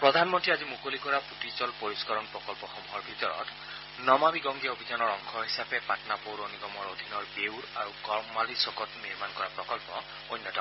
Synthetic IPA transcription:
pɹɔd̪ʱanmɔntɹiazimukolikɔɹaputit͡ʃɔlpoɹiskɔɹɔnpɹɔkɔlpɔxɔmuɦɔɹbʱitɔɹɔ̰t | nɔmabiɡɔŋɡɛobʱizanɔɹɔŋkʰɔɦisapɛpatnapowɹoniɡɔmɔɹod̪ʱinɔɹbewɹa̰ɹuɡɔɹmmalisɔkɔtniɹmankɔɹapɹɔkɔlpɔ | ojnːɔtɔ

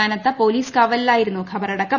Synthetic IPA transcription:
aːnɐt̪ːɐpoːliːskaːʋɐllaːjiɾunːukʰɐbɐɾɐɽɐkːɐ

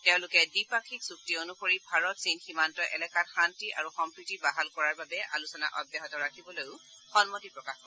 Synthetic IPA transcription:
tɛʊ̃lʊkɛdipakʰiksuk̚tionukoɹibʱaɹɔtsinximantɔʔɛlɛkatxantiʔa̰ɹuxɔmpɹitibaɦalkɔɹaɹbabɛʔa̰lusɔna̰ʔɔbjaɦɔtɔɹakʰibɔlojʊ | xɔnmɔtipɹɔkaxkɔ

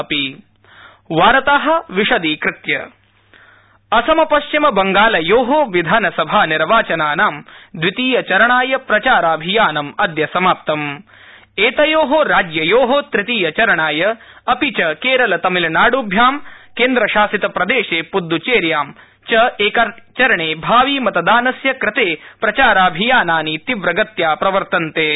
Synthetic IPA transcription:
ɐpi | ʋaːɾɐt̪aːɦɐ̆ʋiʂɐd̪iːkɾɪt̪jɐ | ɐsɐmɐpɐʃt͡ʃimɐbɐŋɡaːlɐjoːɦoːʋid̪ʱaːnɐsɐbʱaːniɾʋaːt͡ʃɐnaːnaːmd̪ʋit̪iːjɐt͡ʃɐɾɐɳaːjɐpɾɐt͡ʃaːɾaːbʱijaːnɐmɐd̪jɐsɐmaːp̚t̪ɐm | eːt̪ɐjoːɦoɾaːd͡ʒjɐjoːɦoːt̪ɾɪt̪iːjɐt͡ʃɐɾɐɳaːjɐ | ɐpit͡ʃɐkeːɾɐlɐt̪ɐmilnaːɽubʱjaːmkeːnd̪ɾɐʃaːsit̪ɐpɾɐd̪eːʃeːpud̪ːut͡ʃeːɾjaːm | t͡ʃɐeːkat͡ʃɐɾɐɳeːbʱaːʋiːmɐt̪ɐd̪aːnɐsjɐkɾɪt̪eːpɾɐt͡ʃaːɾaːbʱijaːnaːnit̪iʋɾɐɡɐt̪jaːpɾɐʋɐɾt̪ɐnt̪eː

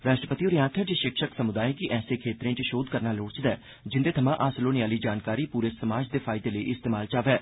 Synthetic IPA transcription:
ɾaːʃʈɾəpət̪ioːɾjãːt̪ʰəːd͡ʒeʃɪkʃəksəmʊd̪aːẽːkiʔɛːsẽːkʰeːt̪ɾẽːt͡ʃʃoːd̪kəɾnaːloːɽt͡ʃd̪ɛː | d͡ʒɪnd̪eːt̪ʰəmãːʔaːsəloːniaːliːd͡ʒaːnkaːɾiːpuːɾeːsəmaːd͡ʒd̪eːpʰaːɪd̪eːləiʔɪst̪eːmaːlt͡ʃaːʋɛː

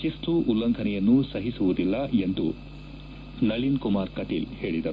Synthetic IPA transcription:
ist̪uʔulːɐŋkʰɐnɛjɐnːusɐɦisuʋud̪ilːɐend̪ṵ | nɐɭinkumaːɾkɐʈilhe̞ːɭid̪ɐɾu

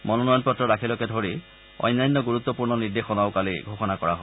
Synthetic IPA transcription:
mɔnɔnɔjɔnpɔtːɹɔɾakʰilɔkɛdʱoɹi | ɔ̰jnːajnːɔɡuɹut̪ːɔpuɹnɔniɹdexɔnaʊkalḭɡʱoxɔnakɔɹa̰ɦɔ

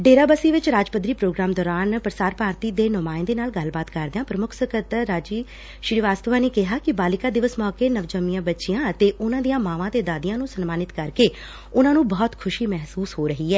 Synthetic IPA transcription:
ɖeːɾaːbəsiːʋɪt͡ʃɾaːd͡ʒpəd̪ɾiːpɾoːɡɾaːmd̪ɔːɾaːnpɾəsaːɾpaːɾt̪iːd̪eːnʊmaːɪnd̪eːnaːlɡəlbaːt̪kəɾd̪ãːpɾəmʊkʰsəkət̪ɾaːd͡ʒiː | ʃɾiːʋaːst̪əʋaːneːkɪɦaːkɪbaːlɪkaːd̪ɪʋəsmɔːkeːnəʋd͡ʒəmijãːbətːʃijãːət̪eːʔʊnãːd̪ijãːmaːʋãːt̪eːd̪aːd̪ijãːnũːsənmaːnɪt̪kəɾkeː | ʊnãːnũːbɔːt̪kʰʊʃiːmɛɦsuːsɦoːɾəɦiːɛː

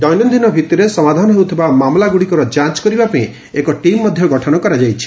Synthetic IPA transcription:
ɖ̪ɔjnɔnd̪ʱinɔbʱit̪iɾesɔmad̪ʱanɔɦewut̪ʰibamamlaɡuɽikɔɾɔd͡ʒãt͡ʃkɔɾibapaĩ | ekɔʈimːɔd̪ʱjɔɡɔʈʰɔnɔkɔɾad͡ʒajt͡ʃʰi̥

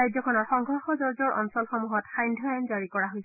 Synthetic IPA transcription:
ajzɔkʰɔnɔɹxɔŋɡʱɔɹxɔzɔɹzɔɹʔɔ̰nsɔlxɔmuɦɔtxajndʱɔjanzaɹikɔɹaɦojs

